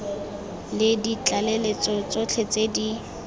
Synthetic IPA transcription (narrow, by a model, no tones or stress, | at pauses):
lɪdit͡ɬʼalelet͡sɔt͡sʊt͡ɬʰet͡sedi